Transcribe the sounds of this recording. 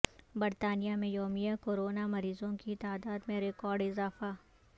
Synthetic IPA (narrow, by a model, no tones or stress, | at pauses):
bɐɾt̪aːnijamẽjoːmijakoːɾoːnamɐɾiːzõkit̪aːd̪aːd̪mẽɾɪkɔːɾɖɪzaːfaː